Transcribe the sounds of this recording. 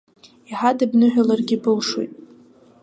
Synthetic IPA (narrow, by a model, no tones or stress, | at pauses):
iħadabnɨħᶣʷalarɡʲibɨlʂwo̰jtʼ